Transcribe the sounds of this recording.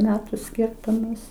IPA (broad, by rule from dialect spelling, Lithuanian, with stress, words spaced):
ˈmʲæːtʊ ˈsʲkʲɪrtʊmɐs